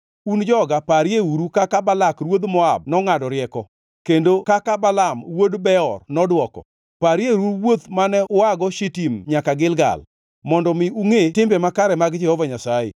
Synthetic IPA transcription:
und͡ʒɔɡapaɾjeuɾukakabalakrwod̪mɔab̚nɔŋadɔɾɪɛkɔ | kendokakabalamwodbɛɔrnɔdwɔkɔ̰ | paɾjeɾuɾwot̪manɛʔʊaɡɔʃitimɲakaɡɪlɡa̰l | mɔndɔmɪuŋetɪmbɛmakaɾɛmaɡd͡ʒɛhɔvaɲasajḛ

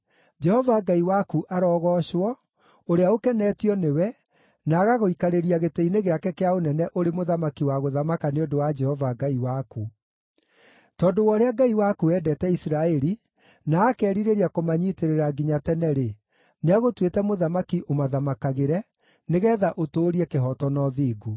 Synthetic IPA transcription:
d͡ʒɛhɔvaɡaiwakuʔaɾɔːɣɔɕwɔ | oɾeaokɛnɛːtjɔnewɛ | naːɣaɣoikaɾeɾiaɣeteineɣeakɛkeaonɛnɛʔoɾemoðamakiwaɣoðamakaneodowad͡ʒɛhɔvaɡaiwaku | tɔːndowɔːɾeaɡaiwakuɛdɛtɛisɾaɛɾi | naːkɛːɾiɾeɾiakomaɲiːteɾeɾaɡiɲatɛnɛɾe | neaɣotwetɛmoðamakiʔomaðamakaɣeɾɛ | neɣɛːðaʔotoːɾiɛkeɦɔtɔnɔðiːɡu

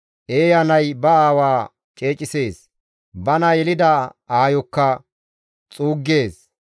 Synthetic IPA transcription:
ʔeːjɐnɐjbɐaːwaː | t͡ʃʼe̞ːt͡ʃʼɪse̞ːs | bɐnɐjɛlɪd̪ɐaːjɔkːɐ | t͡sʼuːɡːe̞ːs

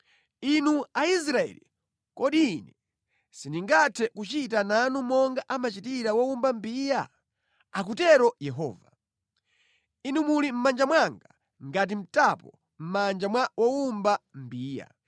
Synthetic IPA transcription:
inuais̬ɾaɛ̰lḭ | kɔɗiːnɛ | siniŋɡatʰɛkut͡ʃitananumɔŋɡaʔamat͡ʃitiɾawɔumbambiːja | ak̬utɛɾɔjɛɦɔ̰ːva | inumulim̩mand͡ʒamwaŋɡa | ŋɡat̬im̩tapɔ | m̩mand͡ʒamwwɔumbam̩biːja̰

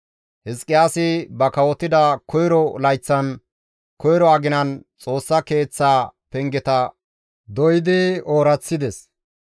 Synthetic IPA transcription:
hɪskʼːɪjaːsɪbɐkɐwɔt̪ːɪd̪ɐkʰɔjɾɔlɐjt͡sːɐn | kɔjɾɔɐɡɪnɐnt͡sʼo̞ːsːɐke̞ːt͡sːaːpɛŋɡɛt̪ɐ | d̪ɔjɪd̪ɪoːɾɐt͡sːɪd̪ɛs

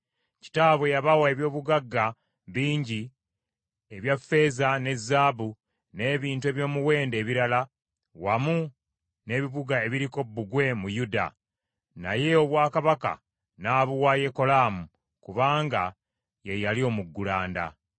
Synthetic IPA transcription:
ci̥taːβwe̞jaβawae̞βjo̞ːβuɡaɡːa | βiːɲɟi | e̞βjafe̞ːzane̞zːaːbu | ne̞ːβiːntue̞ːβjo̞ːmuwe̞ːnde̞ːβiɾala | wamu | ne̞ːβiβuɡae̞βiɾiko̞bːuɡwe̞mujuda̰ | na̰je̞o̞βwaːkaβaka̰ | naːβuwaːje̞ko̞laːmu | kuβaːŋɡa | jejalio̞muɡːulaːnda̰

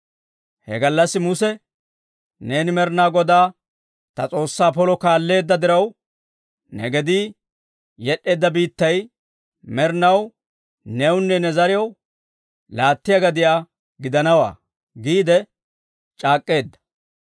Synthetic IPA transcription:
hɛ̰ɡɐlːɐsːɪmʊsɛ | neːnɪmɛɾnaːɡɔd̪aː | t̪ɐt͡sʼo̞ːsːaːpɔlɔkaːlːe̞ːd̪ːɐd̪ɪɾɐw | nɛ̰ɡɛd̪iː | jɛɗːe̞ːd̪ːɐbiːt̪ːɐj | mɛɾnɐw | nɛwʊnːɛnɛzɐɾɪjɐw | laːt̪ːɪjɐɡɐd̪ɪjaː | ɡɪd̪ɐnɐwa̰ː | ɡiːd̪ɛ | t͡ʃʼaːkʼːe̞ːd̪ːɐ̥

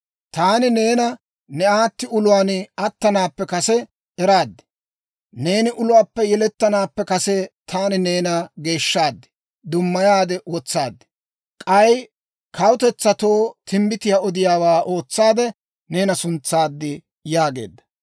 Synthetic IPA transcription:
t̪aːnɪne̞ːnɐ | nɛʔaːt̪ːɪʊlʊwaːnɐt̪ːɐnaːpːɛkɐsɛ | ɛɾaːd̪ːɪ̥ | ne̞ːnɪʔʊlʊwaːpːɛjɛlɛt̪ːɐnaːpːɛkɐsɛt̪ʰaːnɪne̞ːnɐɡe̞ːʃːaːd̪ːɪ̥ | d̪ʊmːɐjaːd̪ɛwɔt͡sːaːd̪ːɪ̥ | kʼɐj | kʰɐwt̪ɛt͡sːɐt̪o̞ːt̪ɪmbɪt̪ɪjaɔd̪ɪjaːwaːʔo̞ːt͡sːaːd̪ɛ | ne̞ːnɐsʊnt͡sːaːd̪ːɪ | jaːɡḛːd̪ːɐ

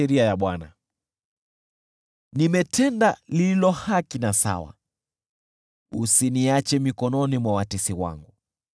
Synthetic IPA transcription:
ɛɾiajaɓwana | nimɛtʰɛndalililɔhakinasa̰wa̰ | usiniat͡ʃɛmikɔnɔnimwawatisiwa̰ŋɡu

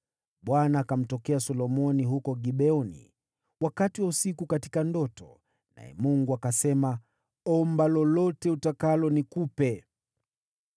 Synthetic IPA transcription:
ɓwanaːkam̩tɔkɛasɔlɔmɔniɦukɔɡiɓɛɔnḭ | wakatiwausikukati̥kandɔtɔ | na̰jɛ̰muŋɡuakasɛma | ɔmbalɔlɔtɛutakalɔnikupɛ

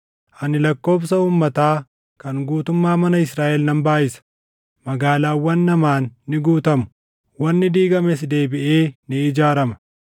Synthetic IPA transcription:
ʔɐnɪlɐkːo̞ːbsɐuːmːɐt̪aː | kɐŋɡuːt̪ʊmːaːmɐnɐɪsɾaːʔɛlnɐmbaːʔɪsɐ̥ | mɐɡaːlaːwːɐnːɐmaːnːɪɡuːt̪ɐmʊ̥ | wɐnːɪd̪iːɡɐmɛsd̪e̞ːbɪʔeːnɪɪd͡ʒaːɾɐmɐ̥

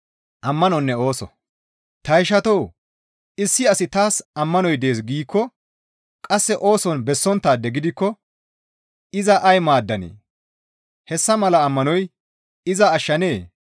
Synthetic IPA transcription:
ʔɐmːɐnɔnːɛo̞ːsɔ̰ | t̪ɐjɪʃɐt̪ɔw | ɪsːɪɐsɪt̪aːsɐmːɐnɔjd̪e̞ːs̬ɡiːkːɔ | kʼɐsːɛʔo̞ːsɔnbɛsːɔnt̪ːaːd̪ɛɡɪd̪ɪkːɔ | ɪzɐʔɐjmaːd̪ːɐnḛː | hɛsːɐmɐlɐːmːɐnɔj | ɪzɐːʃːɐne̞ː

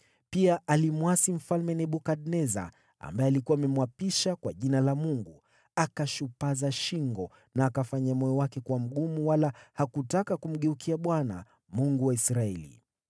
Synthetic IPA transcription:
piaʔalimuwasim̩falmɛnɛɓukaɗnɛza̰ | a̰mbaɛalikuaːmɛmwapiʃakwaʄinalamuŋɡu | akaʃupazaʃiŋɡɔ | naːkafaɲamɔjɔwakɛkuwam̩ɠumuwalahakutakakum̩ɠɛukʰiaɓwana̰ | muŋɡuwaisɾaɛ̰lḭ

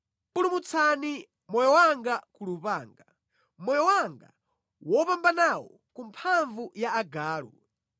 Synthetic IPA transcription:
pulumut͡sʰani | mɔjɔwaŋɡakulupaːŋɡa | mɔjɔwaŋɡa̰ | wɔpambanawɔ̰ | kumpʰaɱvujaːɡaːlṵ

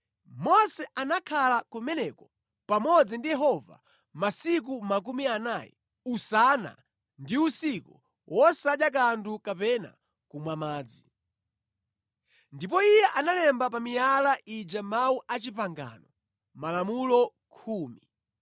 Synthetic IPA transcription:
mɔsɛʔanakʰalakumɛnɛkɔ | pamɔd͡zindijɛɦɔva̰ | masik̬umak̬umianaːjɛ̰ | usana̰ | ndiusiku | wʔɔsaɗak̬antʰukapɛna̰ | kumwamaːd͡zi | ndip̬ɔijɛʔanalɛmbap̬amijalaʔid͡ʒamauʔat͡ʃipaŋɡa̰nɔ | malamulɔ | kʰuːmi

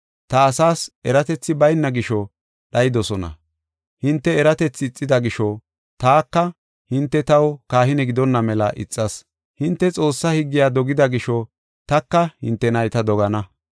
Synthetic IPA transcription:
t̪ɐːsaːsɛɾɐt̪ɛt͡sːɪbɐjnːɐɡɪʃɔ | ɗɐjɪd̪ɔsɔnɐ̰ | hɪnt̪ːɛːɾɐt̪ɛt͡sːɪːt͡sʼːɪd̪ɐɡɪʃɔ | t̪aːkːɐ | hɪnt̪ːɛt̪ɐwkaːhɪnɛɡɪd̪ɔnːɐmɛlɐʔɪ̰t͡sʼːɐs | hɪnt̪ːɛt͡sʼo̞ːsːɐhɪɡːɪjaːd̪ɔɡɪd̪ɐɡɪʃɔ | t̪ɐkːɐhɪ̰nt̪ːɛnɐjt̪ɐd̪ɔɡɐnɐ

